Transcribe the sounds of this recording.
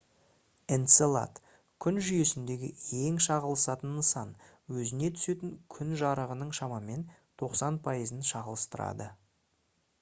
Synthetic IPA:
ent̪selˠa̰t̪ | kʲʰʏnʒʏje̞sɪnd̪e̞ɡʲɪ̰e̞ŋʃɑʁəlˠəsɑt̪ənːəsɑn | wɵzɪne̞t̪ʰʏ̥se̞t̪ɪŋkʲʰʏnʒɑɾəʁənəɴʃɑmɑme̞nt̪ʰo̞qsɑnpʰɑjəzənʃɑʁəlˠəst̪əɾɑ̰d̪ə

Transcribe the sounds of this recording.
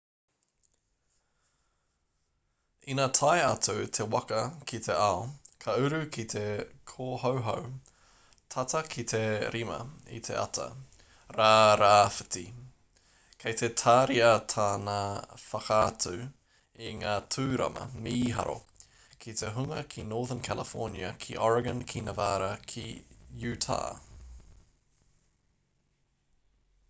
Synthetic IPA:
inaːt̪ʰajɐtut̪ʰe̞wɐkɐkʰit̪ʰe̞aokʰɐʉɾʉkʰit̪ʰe̞kʰoːɦowɦow | t̪ʰɐt̪ɐkʰit̪ʰe̞ɾʔimɐ̰ḭt̪ʰe̞̰ʔɐ̰tʰɐ̰ | ɾaːɾaːfɨ̥ti | kʰejt̪ʰetʰaːɾiɐtʰaːnafɐkaːtʰʉ | iŋaːtʰʉːɾɐ̰mɐ̰meiɦɐ̰ɾo̞̰ | kʰit̪eɦuŋɐkʰinoːðənkʰæləfɔɹnjɐ̰kʰiʔɔɹɐɡɐ̃nkʰinɐvaːɾɐkʰijʉːtʰa̰ː

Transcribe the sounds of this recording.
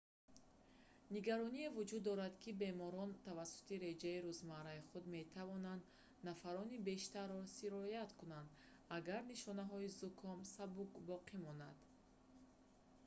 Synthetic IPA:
niɡaɾɔnievud͡ʒud̪ːɔɾad̪kʰibe̞mɔɾɔnt̪ʰavasu̥t̪iɾe̞d͡ʒaiɾuzmaɾaiχud̪me̞t̪ʰavɔnand̪ | nafaɾɔnibe̞ʃt̪aɾːɔsiɾɔjat̪kunand̪ | aɡaɾniʃɔnaɦɔizukʰɔmsabukbɔqʰimɔnad̪̥

